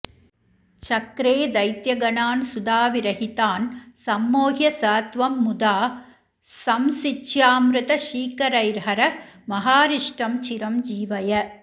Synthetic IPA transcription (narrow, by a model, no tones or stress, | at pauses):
t͡ʃɐkɾeːd̪ɐjt̪jɐɡɐnaːnsʊd̪aːʋɪɾɐɦɪt̪aːnsɐmːoːɦjɐsaːt̪ʋɐmːʊd̪aː | sɐmsɪt͡ʃːjaːmɾɪt̪ɐʃiːkɐɾɐɪɾɦɐɾɐmɐɦaːɾɪʂʈɐmt͡ʃɪɾɐmd͡ʒiːʋɐjɐ